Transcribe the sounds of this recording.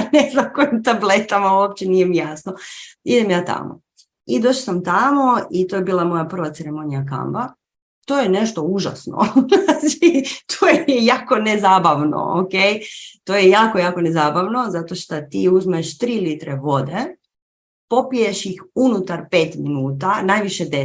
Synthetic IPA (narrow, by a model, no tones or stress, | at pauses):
neznamkojimt̪ablet̪amauop̚t͡ɕenijemjasnoid̪emjaːt̪a̰mo̰ | id̪o̞ːʃsamt̪amo̞it̪ojebiːlˠamo̞japr̩ʋat̪seɾemo̞nijaka̰mba | t̪oːjene̞ʃt̪o̞uʒa̰sno̰ait̪ʰojejaːko̞nezaːbaʋno̰o̰kejt̪oːjejaːko̞jaːko̞nezaːbaʋno̞zat̪oʃt̪at̪iːuzmeʃt̪ɾiːlit̪ɾe̞ʋo̞d̪e | po̞pije̞ʃjixunut̪aɾpe̞ːt̪minuːt̪anajʋiʃed̪e